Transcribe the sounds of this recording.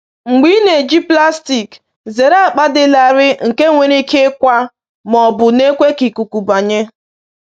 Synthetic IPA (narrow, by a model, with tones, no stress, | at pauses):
ŋ͡m̩˨ɡ͡bi˦ne˨d͡ʒi˦pla˦sti˨k | ze˨ɾa˦˨k͡pa˦dɪ˦la˨ɾɪ˦ŋ̩˨ke˦ŋʷe˨ɾi˦ke˦kʷa˦ | mɔ˨bʊ˨ne˦kʷe˦ki˨ku˨ku˨ba˨ɲe˦